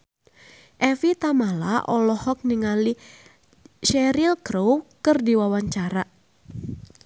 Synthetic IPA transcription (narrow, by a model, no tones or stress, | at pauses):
ʔɛfit̪amala̰ʔɔlɔhɔk̚niŋali | ʃɛɾilkɾowkɨrdiwawaɲt͡ʃaɾa